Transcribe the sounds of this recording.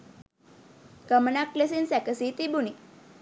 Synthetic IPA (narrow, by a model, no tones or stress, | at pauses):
kəmnakːlesinsɛkəsit̪ibuni